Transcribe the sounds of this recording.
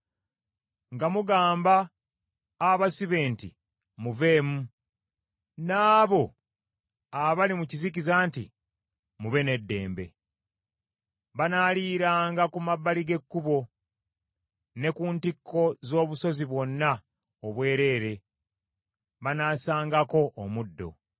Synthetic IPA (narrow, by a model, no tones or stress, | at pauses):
ŋɡamuɡaːmbaː | βasiβe̞ːntḭ | muve̞ːmu | naːβo̞ | βalimucizicizaːntḭ | muβe̞ne̞dːe̞̰ːmbe̞̰ | βanaːliːɾaːŋɡakumabːaliɡe̞kːuβo̞ | ne̞kuːntikːo̞zo̞ːβuso̞ziβwo̞nːa | oβwe̞ːɾe̞ːɾe̞ | βanaːsaːŋɡako̞ʔːmudːo̞̰